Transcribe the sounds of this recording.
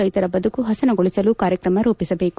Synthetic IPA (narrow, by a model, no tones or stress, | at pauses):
ɐjt̪ɐɾɐbɐd̪ʱukuɦɐsɐnɐɡoɭisɐlukaːɾjɐkɾɐmɐɾuːpisɐbeːku